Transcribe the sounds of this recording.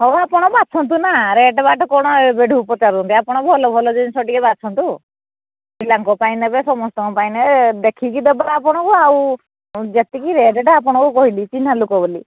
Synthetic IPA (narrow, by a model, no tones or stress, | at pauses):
ɦɔapɔɽ̃ɔbat͡ʃʰɔnt̪̬unaɾeʈɔbaʈʰɔkɔɽ̃ɔebeɖʱuupɔt͡ʃaɾt̪ɔnt̪iapɔɽ̃ɔbʱɔlɔbʱɔlɔd͡ʒɔnsɔʈikɛbat͡ʃʰɔnt̪u | bilaŋkɔpaĩnɛbɛsɔmɔst̪ɔŋkɔpainɛd̪ekʰikid̪ɔbaɾaːpɔɽ̃ɔkɔaw | d͡ʒet̪ikiɾeʈɛʈɔapɔɽ̃ɔkɔkɔɦilit͡ʃinalukɔbɔli